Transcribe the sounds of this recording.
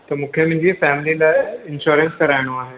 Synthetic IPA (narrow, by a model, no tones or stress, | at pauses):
t̪ɐmũːkʰemɪ̃ɪ̃ɲd͡ʑifɛːmɪlilaːɪ̃nʃuːɾə̃nskɐɾaːɪɽ̃oaːɦeː